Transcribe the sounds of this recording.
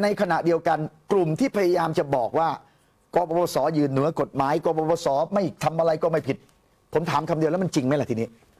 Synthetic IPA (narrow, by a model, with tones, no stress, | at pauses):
na˧jkʰa˧na˨˩ʔdi˧əwka˧nklu˨˩mt̪ʰiː˥˩pʰa˧ja˧jaː˧mt͡ɕa˨˩bɔː˨˩k̚waː˥˩ | kɔː˧pɔː˧bɔː˧sɔː˩˦jɯː˧˩nːɯ˩˦ɐko˨˩t̪̚maː˩˦jkɔː˧pɔː˧bɔː˧sɔː˩˦ma˥˩j̚t̪ʰa˧mʔa˧ɾa˧jkɔː˥˩ma˥˩jpʰi˨˩t̪̚ | pʰo˩˦mt̪ʰaː˩˦mkʰa˧mdi˧lɛ˦˥ma˧nt͡ɕi˧ŋma˦˥jɛ˨˩t̪ʰiː˧niː˦˥